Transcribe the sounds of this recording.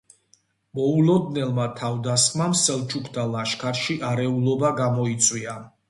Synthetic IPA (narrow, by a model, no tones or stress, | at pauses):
mɔulɔd̪nɛlˠmat̪ʰavd̪asχmamsɛlˠt͡ʃʰukʰd̪alaʃkʰaɾʃiʔaɾɛulˠɔbaɡamɔit̪sʼwia